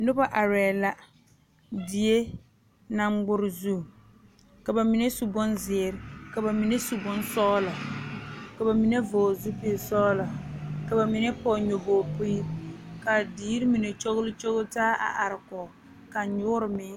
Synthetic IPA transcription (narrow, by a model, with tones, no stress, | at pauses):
nʊ˦ba˦ʔa˨ɾɛː˨la˦ | di˨e˦ | na˨ŋ͡mɡ͡bʊ˦ɾɪ˨zu˦˨ | ka˨ba˨mi˨ne˦su˨bʊ˦nzɪ˨ɾɪ˨ka˨ba˨mi˨ne˦su˨bʊ˦nsɔː˦lɔ˨ | ka˨ba˨mi˨ne˦voː˨zu˦pi˦e˨sɔː˦lɔ˨ka˨ba˨mi˨ne˦pɔ˨ɲo˨boː˨pu˦i˦ka˨diː˦ɾɪ˦mi˨ne˨t͡ʃo˦ɣʊ˦lʊ˦t͡ʃo˦ɣʊ˦taː˦ʔa̰˨ʔa˨ɾɪ˨kɔ˨ | ka˨ɲʊ˦ʊ˦ɾɪ˨mɪ˦